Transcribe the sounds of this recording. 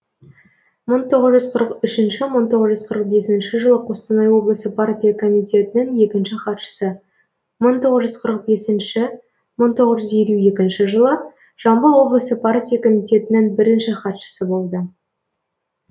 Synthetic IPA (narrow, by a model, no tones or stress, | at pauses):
məɴt̪ʰo̞ʁəzʒʏzqʰəɾəqʏʃɪnʃɪməɴt̪ʰo̞ʁəzʒʏzqʰəɾəq̚be̞sɪnʃɪʒəlˠəqʰo̞st̪ɑnɑjwo̞blˠəsəpʰart̪ʲijakʰo̞mit̪ʲe̞t̪ɪnɪŋje̞kʲɪnʃɪχɑt̪ʃə̥sə | məɴt̪ʰo̞ʁəzʒʏzqʰəɾəq̚be̞sɪnʃɪ | məɴt̪ʰo̞ʁəzʒʏze̞lʲue̞kʲɪnʃɪʒəlˠə | ʒ̥ɑmbəlˠwo̞blˠəsəpʰart̪ʲijakʰo̞mit̪ʲe̞t̪ɪnɪŋbɪɾɪnʃɪχɑt̪ʃə̥səbo̞lˠd̪ə